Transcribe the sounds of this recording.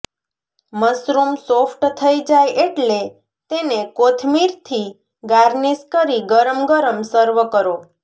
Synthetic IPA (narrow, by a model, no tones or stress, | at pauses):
məsɾumsofʈt̪ʰəid͡ʒajeʈle | t̪enekot̪ʰmiɾt̪ʰi | ɡaɾniskəɾiɡəɾəmɡəɾəmsəɾʋəkəɾo